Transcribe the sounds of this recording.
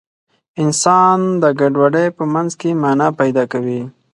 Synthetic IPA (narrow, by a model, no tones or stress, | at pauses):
ɪnsɑnd̪əɡaɖwaɖejpəmanzkemanapajd̪ɑkawi